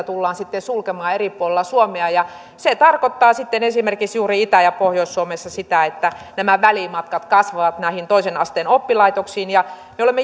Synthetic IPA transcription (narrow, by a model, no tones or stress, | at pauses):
t̪ulːɑːnsit̪ːesulkemɑːeripuolelːɑsuomeɑjɑ | set̪ɑrkot̪ːɑːsit̪ːenesimerkiksjuːriit̪æjɑpohjoisːuomesːɑsit̪æet̪ːæ | næmæʋælimɑt̪kɑt̪kɑsʋɑʋɑt̪næihint̪oisenɑst̪eːnopːilɑit̪oksiːnjɑ | meolemːe